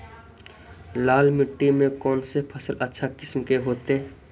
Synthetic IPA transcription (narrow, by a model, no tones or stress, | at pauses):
laːlmɪʈːimẽkɔːnsepʰəsəlʔətːʃʰakɪsmkeɦoːt̪e